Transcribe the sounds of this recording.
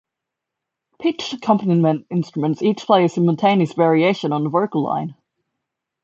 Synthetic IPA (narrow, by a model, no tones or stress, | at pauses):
pʰɪt͡ʃəkʰʌ̃mpənimə̃ntɪ̃nstɹ̥əmə̃ntsiˑt͡ʃpʰl̥eɪəsɪ̃məl̩ˠtʰẽɪ̃niəsvɛɹieɪʃə̃nə̃nðəvɜ˞kəl̩ˠlã̰ɪ̃n